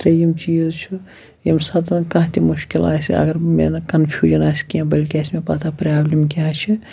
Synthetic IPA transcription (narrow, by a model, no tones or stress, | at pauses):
t̪ɾɐjimt͡ʃiːzt͡ʃʰu | jimsɐd̪ɐkɐ̃ɦt̪ʰimuʃkila̰ːsiɐ̰ɡɐɾmḛnɐkɐnpʰjuːʒɐnaːsʲkiãbɐlʲkʲaːsmepɐt̪ʰaːpɾaːblʲimkiãːt͡ʃʰi